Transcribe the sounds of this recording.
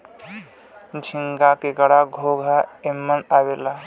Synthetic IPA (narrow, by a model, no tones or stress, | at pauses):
d͡ʒʱiŋɡakekəɽaɡʱoɡʱaemːənawela